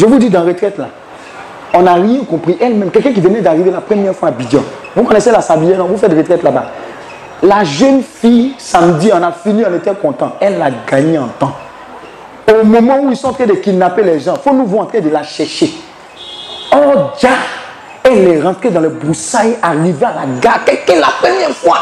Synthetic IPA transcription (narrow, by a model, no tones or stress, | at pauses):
ʒəvud̪id̪ãʁet̪χɛt̪la | ɔ̃naʁjɛ̃kɔ̃pχiʔɛlmɛ̃mkɛkɛ̃k̬ivənɛd̪aʁivelapχəmjɛʁfwabid͡ʒãvukɔnɛselasabijɛnɔ̃vufɛtdʁet̪ʁɛt̪laba | laʒɛnfijsamdiɔ̃nafiniɔ̃net̪ɛkɔ̃t̪ɑ̃ɛlːaɡaɲeãt̪ã | omɔmɑ̃uisɔ̃t̪ʰed̪ekinapelɛʒɑ̃fonũvɔ̃ãt̪χɛ̃d̪elaʃɛʁʃe | ɔʁd͡ʒa | ɛlːɛʁɑ̃t̪χed̪ãlɛbʁusajaʁivealaɡakɛlkɛ̃lapɛmjɛʁfwa